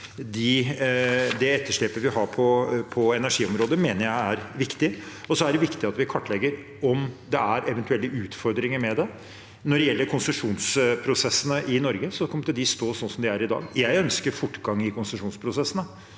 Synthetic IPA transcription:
d̪ɪ | d̪ɛɛt̪ːəʂɭeːpəʋɪɦɑːɾpʰɔpʰɔɛnæʂiːɔmɾoːd̪əmeːnəɾjæɪæɾʋɪkt̪ɪɔsɔæɖɛʋɪkt̪ɪɑt̪ʋɪkʰɑʈːlɛɡːəɾ | ɔmd̪ɛæɾɛʋɛnt̪ʉɛlːəʔʉːt̪fɔɾd̪ɾɪŋəɾmɛd̪ɛ | nɔɾɛjɛlːəɾkʰʊnsəʂuːnspʰɾʊsɛsːənəʔɪnɔɾɡəsɔkʰɔməʈ̪ɪld̪ɪst̪oːsɔnsɔmd̪ɪæɾɪd̪ɑ̰ːɡjæɪœnskəɾfʊʈːɡɑŋːɪkʰʊnsəʂuːnspʰɾʊsɛsːənə

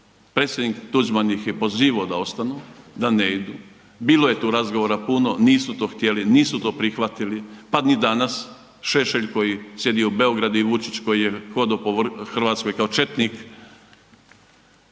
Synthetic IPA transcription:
pɾet̪sjed̪nikt̪ud͡ʒmanixjepo̞ziːʋaod̪ao̞st̪anud̪aneid̪uː | biːlˠoje̞t̪uːɾazɡoʋo̞ɾapuno̞niːsut̪oːxt̪je̞liniːsut̪o̞ːpɾixʋat̪ilipad̪nid̪anas | ʃe̞ʃeʎko̞jisje̞d̪ioube̞o̞ɡɾad̪uiʋut͡ʃit͡ʃko̞jijexo̞d̪opoʋxr̩ʋaːt̪sko̞jkaot͡ʃe̞t̪nik

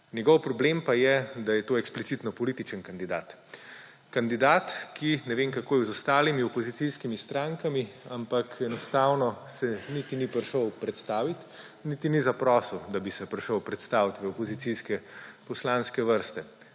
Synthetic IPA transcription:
njɛɡɔwpɾɔblempajɛd̪ajɛt̪oːɛksplit̪sit̪nɔpɔlit̪it͡ʃənkand̪id̪aːt̪ | kand̪id̪aːt̪kʰinɛʋeːŋkakoːjɛwzɔst̪aːlimiɔpɔzit̪siskimist̪ɾaŋkamiampakʰɛnɔst̪aːwnɔsɛnit̪inipɾʃəwpɾɛt̪st̪aːʋit̪ | nit̪inizapɾɔːsəwd̪abisɛpɾʃəwpɾɛt̪st̪aːwt̪ʋɛɔpɔzit̪siskɛpɔslanskɛʋəɾst̪ɛ

